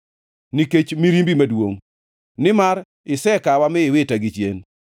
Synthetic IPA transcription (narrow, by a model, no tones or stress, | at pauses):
niket͡ʃmiɾimbimadwoŋ | nɪmaɾ | ɪsɛkawamɪɪwɪtaɡɪt͡ʃjḛn